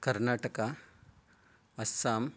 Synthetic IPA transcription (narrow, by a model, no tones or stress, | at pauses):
kɐɾnaːʈɐka | ɐsaːm